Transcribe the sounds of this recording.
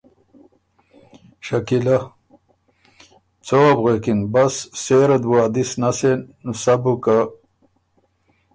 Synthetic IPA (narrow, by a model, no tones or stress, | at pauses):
ɕɐkila | t͡soabʁekinbasːeɾɐd̪waːd̪isnasenusabuka